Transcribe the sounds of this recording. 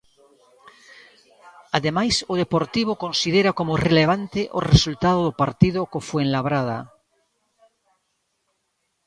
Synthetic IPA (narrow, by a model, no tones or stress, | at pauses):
aðemajsoð̞epoɾt̪iβ̞okõ̞nsiðeɾakomoreleβ̞ant̪eʔo̰result̪aðoðopaɾt̪iðokofweẽnlaβɾað̞a̰